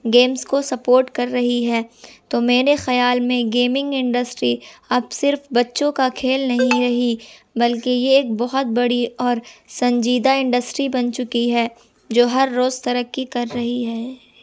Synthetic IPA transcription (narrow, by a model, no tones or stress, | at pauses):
ɡeːmskosɐpoːɾʈkɐɾːɐɦiɦɛːt̪oːmeːɾexɐjaːlmẽɡeːmɪ̃ŋɡɪ̃ɳɖəsʈɾiɐbsɪɾfbɐtːʃõkakʰeːlnɐɦĩɾɐɦi | bɐlkejeːk̚bɔɦʊt̪̚bɐɽiɔːɾsɐ̃ɲd͡ʒiːd̪aɪ̃ɳɖəsʈɾibɐnt͡ʃʊkiɦɛː | d͡ʒoːɦɐɾːoːzt̪ɐɾəkːikɐɾːɐɦiɦɛː